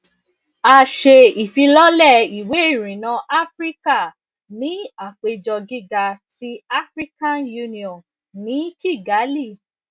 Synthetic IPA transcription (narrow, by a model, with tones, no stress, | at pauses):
a˧ʃe˧i˨fi˧lɔ˦lɛ˦˨i˨we˨˦i˦˨ɾ̃ĩ˨nã˧ʔa˦fɾi˦ka˦˨ | nĩ˨˦a˦˨k͡pe˧d͡ʒɔ˧ɡi˦ɡa˧ti˦a˦fɾi˦kã˦nju˧nĩ˧ɔ̃˨ | nĩ˨˦ki˦˨ɡa˨˦li˦˨